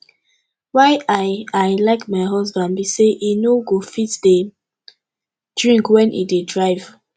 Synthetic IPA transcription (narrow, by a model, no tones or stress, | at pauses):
waɪaaɪlaɪkmaɪɦɔs̬bãnbiseʔinoɡofitde | d̥ɹĩŋkwɛ̃nʔḭdedɹaɪv̥